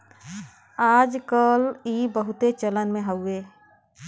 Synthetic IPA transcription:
aːd͡ʒkəliːbəɦʊt̪et͡ʃələnmẽɦəʊeː

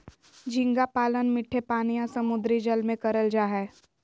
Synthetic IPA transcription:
d͡ʒʱɪ̃ŋɡapaːlənmɪʈʰːepaːnijãsɐmʊd̪ɾid͡ʒəlmẽkɐɾəld͡ʒaːɦɛː

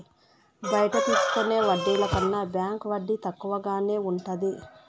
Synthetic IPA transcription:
bɐjɐʈɐt̪iːsu̥kone̞ːʋɐɖːiːlɐkɐnːabjaːŋkʋɐɖːit̪ɐkːuʋɐɡaːne̞ːuɳʈɐd̪i

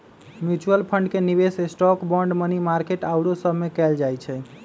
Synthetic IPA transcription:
mjut͡ʃuəlpʰəɳɖkenibesesʈɔkbɔ̃ɳɖmənimaɾkeʈawɽosəbʱmekɛld͡ʒajt͡ʃʰɛ

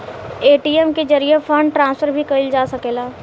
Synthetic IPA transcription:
eːʈiːɛmkezɐɾijefʰɐ̃ɳɖʈɾãːnsfəɾbʱikɐɪld͡ʒaːsɐkeːlaː

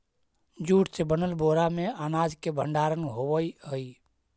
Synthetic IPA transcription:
d͡ʒuːʈsebənəlboːɾamẽaːnaːd͡ʒkebəɳɖaːɾənɦowəiəi

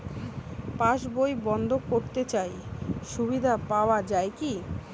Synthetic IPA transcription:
paʃbojbɔnd̪ʱokoɾt̪et͡ɕajʃubid̪ʱapaoad͡ʑajki

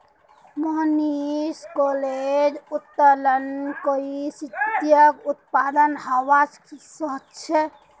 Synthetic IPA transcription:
məɦniskoled͡ʒut̪ːələnkoisit̪jəkut̪̚pad̪ənɦawasksəɦətt͡ʃʰe

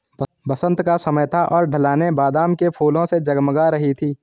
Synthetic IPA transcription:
bəsə̃nt̪kasɐməjt̪ʰaʔɔːɾɖʱəlaːnebaːd̪aːmkepʰuːlõsed͡ʒɐɡməɡaɾɐɦit̪ʰiː

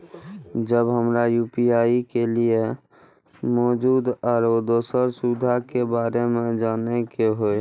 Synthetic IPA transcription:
d͡ʒəbɦəmɾajuːpiaːikelie | mɔːd͡ʒuːd̪ɔːɾod̪oːsəɾsud̪ʱakebaːɾemẽd͡ʒaːnekeɦoe

